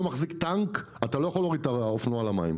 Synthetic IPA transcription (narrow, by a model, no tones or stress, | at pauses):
maχzikt̪aŋk | at̪alo̞jaχoloʁit̪aofnoalamaim